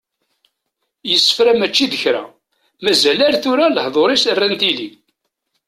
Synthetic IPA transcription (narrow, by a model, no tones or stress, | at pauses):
jəsːə̥fɾæmæt͡ʃːiðəçɾæ̰ | mæzælæɾθʊɾaləhðˤoɾˤisərːænt̪ili